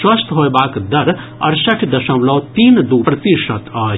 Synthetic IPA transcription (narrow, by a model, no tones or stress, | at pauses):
swɐst̪ɦoebaːkd̪ɐɾ | ɐ̰ɾsɐʈʰd̪ɐʃɐ̃wlɔt̪iːnd̪uːpɾɐt̪iʃɐt̪aː